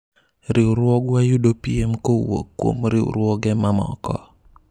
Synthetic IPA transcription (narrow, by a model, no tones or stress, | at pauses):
ɾɪuɾwɔɡwajudopiemkowo̰kːwo̰mɾɪṵɾwɔɡɛmamɔ̰kɔ̰